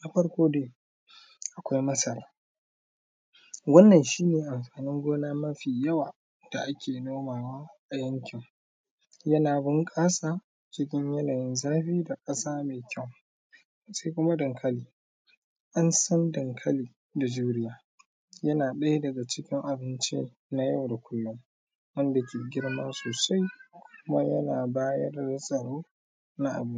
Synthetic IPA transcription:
na˦ɸɐ˦ɽkʷoː˦deː˦˨ | ʔa˨kʷa˦jmɐ˦sɐ˨laː˦ | wɐ˦nːɐ˨nʃiː˦neː˨ʔa˨mɸaː˨nɪ˦ŋɡʷoː˦naː˦mɐ˦ɸiː˨jɐ˦waː˨ | d̥a˨ʔa˦kʲeː˨noː˦maː˨waː˦ʔa˨jɐ˦ŋkʲɪ˨ŋ | jɐ˦naː˨bɪ˦ŋkʼaː˦saː˨ | t͡ʃɪ˦kʲɪ˦ɲjɐ˦naː˨jɪ˦nzaː˦ɸiː˦da˨kʼɐ˦saː˦meː˨kʲʰɐ˦˨w | sa˦jkʷʊ˦ma˦dɐ˨ŋkʰɐ˦liː˨ | ʔa˦nsɐ˦ndɐ˨ŋkʰɐ˦liː˨ | da˨d͡ʒuː˦ɾɪ˦jaː˨ | jɐ˦naː˨ɗɐ˦jdɐ˨ɡa˨t͡ʃɪ˦kʲɪ˦ŋʔa˨bɪ˦nt͡ʃḭ˦ | na˦jɐ˦˨wda˨kʷʰʊ˦lːʊ˦m | wɐ˦nda˨kʲeː˨ɡʲɪ˦ɽmɐ˦nsoː˨sa˦jkʷʰʊʊ˦ma˦jɐ˦naː˨baː˦jɐ˦rda˨sʼɐ˨ɽoː˦ | na˦ʔa̰˨bɪ˦n˦

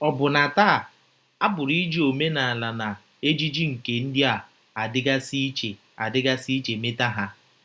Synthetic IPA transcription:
ɔ˨bʊ˨na˨taː˦˨ | a˦bʊ˨ɾi˦d͡ʒi˦o˨me˦na˨a˨la˨na˨ | e˦d͡ʒi˦d͡ʒi˦ŋ̩˨ke˨n̩˦dɪ˦a˨ | a˨dɪ˦ɡa˦si˦t͡ʃe˨ | a˨dɪ˦ɡa˦si˦t͡ʃe˨me˦ta˦ɦa˦

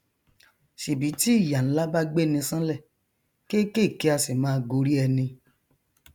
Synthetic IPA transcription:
ʃe˨bi˨˦ti˦i˦˨ja˨ñ̩˨˦la˦ba˦ɡ͡be˦˨nĩ˧sã˦lɛ˦˨ | ke˦ke˦˨ke˨˦a˧se˨mãː˦˧ɡo˧ɾi˦ɛ˧nĩ˧

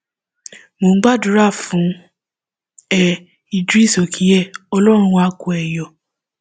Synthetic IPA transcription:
mo˨ŋ̩˦ɡ͡ba˦˨du˨˦ɾa˦˨fũ˨˦ | ɛ˦˧ | i˨du˦i˦˨so˨kʰĩ˨˦ɛ˦˨ɔ˧lɔ˦ɾ̃ũ˧˦a˧ku˨ɛ˨jɔ˨

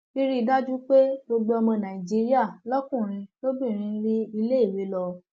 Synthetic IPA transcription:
i˦ɾi˦i˧da˦d͡ʒu˦k͡pe˦ɡ͡bo˧ɡ͡bo˧˦ɔ˧mɔ̃˧nã˨i˨d͡ʒi˨˦ɾi˦a˦˨lɔ˦kũ˦˨ɾ̃ĩ˧to˦bĩ˦˨ɾ̃ĩ˧n̩˦ɾi˦i˧le˦i˦˨we˧˦lɔ˧

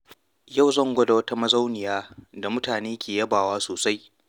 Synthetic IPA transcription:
ja˦˨wzɐ˦ŋɡʷɐ˦da˨wɐ˦ta˦mɐ˦za˦wnɪ˨jaː˦da˨mʊ˦taː˨neː˦kʲʰeː˨jɐ˦baː˨waː˦soː˨sa˦j

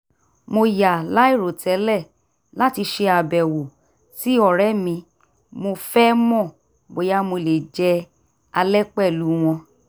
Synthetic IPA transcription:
mo˧ja˨la˨˦i˦˨ɾo˨tʰɛ˨˦lɛ˦˨ | la˦ti˧ʃe˧a˨bɛ˨wo˨ | si˦ɔ˦˨ɾɛ˦mĩ˧ | mo˧fɛ˦mɔ̃˦˨ | bo˨ja˦mo˧le˨d͡ʒɛ˧ | a˧lɛ˦k͡pɛ˦˨lu˨˦w̃ɔ̃˧

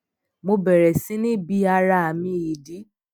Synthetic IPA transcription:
mo˧bɛ˨ɾɛ˨sĩ˦nĩ˦bi˧˦a˧ɾa˧˨a˨mĩ˧˨i˨di˨˦

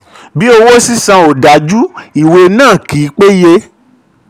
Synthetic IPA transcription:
bi˦o˧wo˦si˦sã˧o˨da˨d͡ʒu˦i˨we˧nãː˦˨ki˨˦k͡pe˦je˧

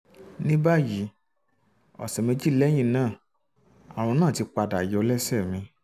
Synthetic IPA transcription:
nĩ˦ba˦˨ji˨˦ | ɔ̰˨sɛ˨mẽ˧˦d͡ʒi˦lɛ˦j̃ĩ˧˦nãː˦˨ | a˨w̃ɔ̃˧nãː˦˨ti˧˦k͡pa˧da˨jo˧lɛ˦sɛ˦˨mĩ˧

